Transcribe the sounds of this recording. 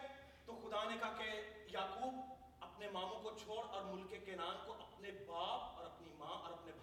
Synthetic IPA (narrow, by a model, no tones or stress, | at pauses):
t̪oxʊd̪anekaɦkejaːkuːb | ɐpnemãːmõkot͡ʃʰoːɽɔːɾmʊlkekenaːnkoʔɐpnebaːp̚ɔːɾɐpnimãʔɔːɾɐpnebʱ